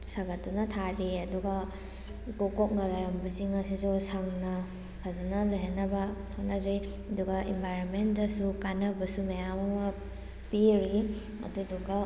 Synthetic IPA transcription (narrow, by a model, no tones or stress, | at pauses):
saɡɐtːunɐtʰaɾiɐduɡɐ | ikokok̚nɐlaɾɐmbɐsiŋɐsisusaŋnɐ | pʰazɐnɐlojɦanːɐbɐ | hotnɐzoj | ɐduɡɐʔembʱajɾonmendɐsukanɐbɐsumajamɐmɐ | piɾi | ɐ̰duduɡɐ